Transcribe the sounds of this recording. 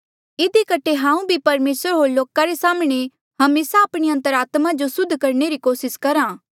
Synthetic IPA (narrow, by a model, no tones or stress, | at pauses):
ɪd̪ikɐʈʰeɦãːũbʱipɐɾmeːsəɾɦoːɾloːkaɾesaːmɽ̃e | ɦɐmeːsaːpɽ̃iɐ̃nt̪əɾaːt̪mad͡ʒosʊd̪ʱːkɐɾɳeɾikoːsɪskɐɾãː